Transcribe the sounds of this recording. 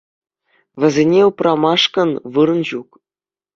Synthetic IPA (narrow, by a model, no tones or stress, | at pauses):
vʲɘ̆zʲenʲeuprʔɑmɑʂkɤ̆nʋɯɾɤ̆nʑuk